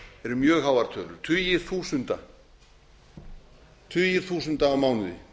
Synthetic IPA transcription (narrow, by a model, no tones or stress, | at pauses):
ɛɾʏɾmjœːɣhaːwvaɾ̥t̪ʰœːlʏɾ̥t̪ʰʏjɪɾ̥θuːsʏnt̪a | t̪ʰʏjɪɾ̥θuːsʏnt̪aːmaːwnʏðɪ̰